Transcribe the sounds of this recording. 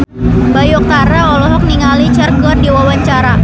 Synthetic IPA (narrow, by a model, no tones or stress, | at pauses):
bajɔk̚t̪aɾaɔlɔɦɔk̚niŋalit͡ʃarkɔrdiwawaɲt͡ʃaɾa